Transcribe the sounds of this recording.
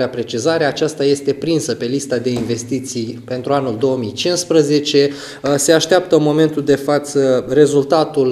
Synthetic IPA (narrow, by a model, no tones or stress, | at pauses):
eapɾe̞t͡ʃizaɾe̞at͡ʃast̪aje̞st̪e̞pɾinsəpe̞list̪ad̪e̞inve̞st̪it̪sijpe̞nt̪ɾuanuld̪o̞əmijt͡ʃinspɾəze̞t͡ʃe̞ | se̞aʃt̪eap̚t̪ənmo̞me̞nt̪uld̪e̞fat̪səre̞zult̪at̪ul